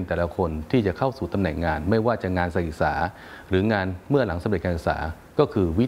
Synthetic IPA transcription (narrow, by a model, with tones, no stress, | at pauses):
nt̪ɛː˨˩la˦kʰo˧nt̪ʰiː˥˩t͡ɕa˨˩kʰa˥˩wsuː˨˩t̪a˧mnɛː˨˩ŋːaː˧nma˥˩jwaː˥˩t͡ɕa˨˩ŋaː˧nsa˧˥ʔi˨˩k̚sa̰ː˩˦ | ɾɯː˩˦ŋaː˧nmɯ˥˩ɐla˩˦ŋsa˧mɾe˨˩kaː˧˨ʔɯ˨˩k̚sa̰ː˩˦ | kɔː˥˩kʰɯː˧wi˦˥